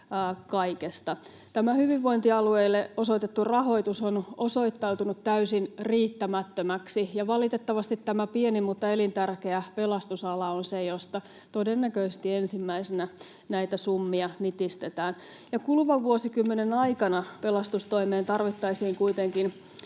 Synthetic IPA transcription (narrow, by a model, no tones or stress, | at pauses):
kɑikest̪ɑ | t̪æmæhyʋiʋʋo̞int̪iɑlueilːeoso̞it̪et̪ːurɑɦo̞it̪usonoso̞it̪ːɑut̪unut̪t̪æysinriːt̪ːæmæt̪ːømæksijɑʋɑlit̪et̪ːɑʋɑst̪it̪tæmæpienimut̪ːɑelint̪ærkeæpelɑst̪usɑlɑonsejost̪ɑ | t̪odenːækøist̪iensimːæisenæ | næit̪æsumːiɑnit̪ist̪et̪æːn | jɑkulʋɑʋːuosikymːenenɑikɑnɑpelɑst̪ust̪oimeːnt̪ɑrʋit̪ːɑisiːŋkuit̪eŋkin